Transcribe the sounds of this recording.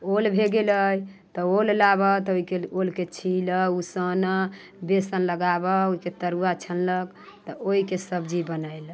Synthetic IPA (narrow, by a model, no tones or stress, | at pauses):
olbʱeɡeləj | t̪ɔollabət̪oikeolket͡ʃʰiləusən | besənləɡabəoiket̪əɾuat͡ʃʰənlək | t̪ɔoɦikesəbd͡ʒibənəjl